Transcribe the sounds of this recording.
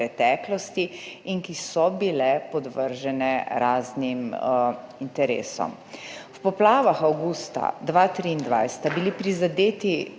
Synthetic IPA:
ɾɛt̪ɛːklɔst̪iiŋkisɔbilɛpɔd̪ʋəɾʒɛnɛɾaːznim | int̪ɛɾḛːsɔ̰m | wpɔplaːʋaxawɡust̪a̰d̪ʋaːt̪ɾiːnd̪ʋa̰jsɛ̥t̪abilipɾizad̪eːt̪i

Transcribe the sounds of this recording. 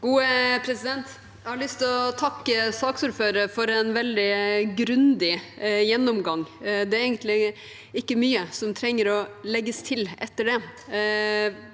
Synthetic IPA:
ɡ̥uːəpʰɾɛsɪd̪ɛnt̪ | jæhɑɾɭʏst̪ɔt̪ʰɑkːəsɑːksuːɾføːɾəɾfɔɾɛnʋɛld̪ɪɡɾʉnd̪ɪjɛnːɔmɡɑŋːd̪ɛɾɛɪɡənt̪lɪ | ɪkːəmyːəsɔmt̪ʰɾɛŋːəɾɔlɛɡːəst̪ʰɪlɛt̪ːəɖɛ

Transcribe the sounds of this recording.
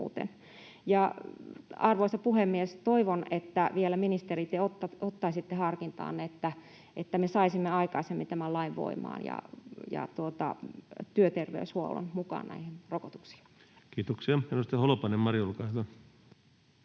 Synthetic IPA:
ṵːt̪ḛn | jɑ | ɑrʋoisɑpuhemːiest̪oiʋonet̪ːæʋielæminist̪erit̪ːeot̪ːɑot̪ːɑisit̪ːehɑrkint̪ɑ̰ːnːeet̪ːæ | ʔet̪ːæmesɑisimːeɑikɑisemːit̪æmællɑiʋʋo̰imɑ̰ːnjɑ̰jɑ̰t̪uot̪ɑ̰t̪yøt̪erʋḛyshuo̰lːo̰nmukɑ̰ːnnæ̰ihenrokot̪u̥ksi̥ːn | kiːt̪oksiɑhenost̪ːeholopɑnemmɑrjulkɑislɑ

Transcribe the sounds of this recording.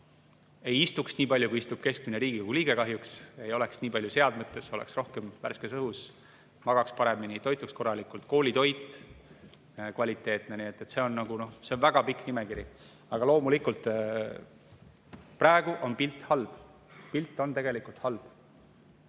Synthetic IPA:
e̞jist̪uksniːpɑlʲjukuiist̪ub̥̚ke̞skmineɾiːɡikuɡ̥uliːɡ̥e̞kɑɦjukse̞jo̞le̞ksniːpɑlʲjuse̞ɑd̪met̪ːˑe̞so̞lḛksro̞hkemvæ̰rskesɤɦus | mɑɡ̥ɑkspɑɾe̞mːinit̪o̞jt̪ːˑuksko̞rːɑlikːˑult̪ko̞ːlʲit̪o̞jt̪ːˑ | kvɑlʲit̪ːˑe̞ːt̪neniet̪ːˑet̪se̞o̞nːnɑɡ̥uno̞hseonvæɡ̥ɑpikːˑnimekiɾi | ɑɡ̥ɑlo̞ːmulikult̪ˑ | prɑːeɡ̥uʔo̞npilt̪ːˑhɑlb̥ | pilt̪ːˑo̞nt̪e̞ɡe̞likult̪hɑlb̥

